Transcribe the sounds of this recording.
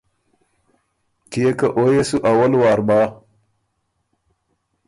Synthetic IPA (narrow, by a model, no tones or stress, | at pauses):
kijekaʔojesuʔawalwaɾba